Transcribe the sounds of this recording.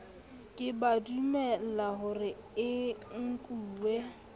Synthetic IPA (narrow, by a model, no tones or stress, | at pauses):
kʼɪbadumɛlaɦʊrɪɪŋ̩kʼuːwe